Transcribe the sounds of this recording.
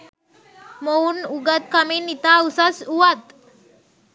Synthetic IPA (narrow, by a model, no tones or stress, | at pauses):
mounuɡət̪̚kaminit̪ausasuwat̪